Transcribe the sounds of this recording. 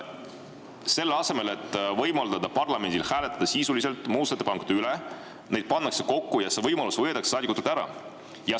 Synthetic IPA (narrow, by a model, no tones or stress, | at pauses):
se̞lːɑse̞me̞le̞t̪ːˑvɤjmɑld̪̥ɑd̪ɑpɑrlɑme̞nʲd̪ilhæːle̞t̪ːˑɑd̪̥ɑsiːsulise̞lt̪ːˑmuːst̪et̪ːepɑŋkud̪̥eyle | ne̞jd̪̥̚pɑnːɑkseko̞kːujɑse̞vɤjmɑlusvɤjet̪ɑkssɑːd̪ikut̪ult̪æɾɑ̰ | jɑ